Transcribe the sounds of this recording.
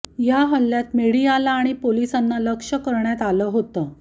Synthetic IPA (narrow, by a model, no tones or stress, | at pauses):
jaɦəlːjat̪meɽialaːɽ̃ipolisanːaləkʂəkəɾɳjat̪aləːɦot̪ə